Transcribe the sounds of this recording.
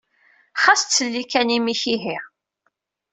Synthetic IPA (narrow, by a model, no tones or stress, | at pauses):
χast̪t͡sːəlːikænimiçiɦiʁ